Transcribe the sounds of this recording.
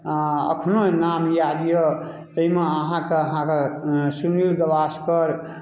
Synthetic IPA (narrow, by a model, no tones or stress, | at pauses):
ə̰kʰnonamjad̪jo | t̪əimeəɦãkeəɦãkesunilɡəbaskəɾ